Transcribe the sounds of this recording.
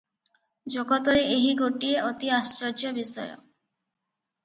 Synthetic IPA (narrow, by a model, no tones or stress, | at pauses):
d͡ʒokɔt̪ɔɾeeɦiɡoʈieʔot̪iast͡ʃɔɾd͡ʒɔbisɔjo̰